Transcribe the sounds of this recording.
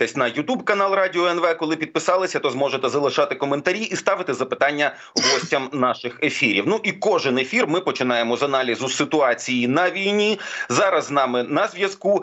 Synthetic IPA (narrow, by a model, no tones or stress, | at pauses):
t̪ɛsʲnɐjʊt̪ubkɐnɑlˠrɑdʲɪɔɛnʋɛkɔlˠɪpʲid̪̚pɪsɑlˠɪsʲɐt̪ɔzmɔʒet̪ɛzɐlˠɪʃɑt̪ɪkɔment̪ɐɾʲiʔist̪ɑʋɪt̪ɪzɐpɪt̪ɑnʲːɐ | ɦɔsʲtʲɐmnɑʃɪxefʲiɾʲḭwnuʔikɔʒɪnefʲirmɪpɔt͡ʃɪnɑjemɔzɐnɑlʲizʊsɪt̪ʊɑt͡sʲijinɐʋʲijnʲizɑɾɐznɑmɪnɐzʋʲjɐsku